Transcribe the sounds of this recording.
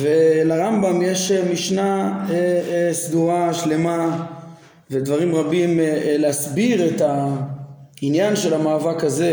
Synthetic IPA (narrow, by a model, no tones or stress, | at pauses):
velaʁambamjeʃemiʃnaesduʁaʃle̞ma | ved̪vaʁimʁabimleasbiʁet̪a | injanʃe̞lamaːvakaze̞